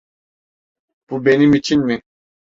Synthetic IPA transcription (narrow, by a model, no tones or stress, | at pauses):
pubenimit͡ʃʰinmi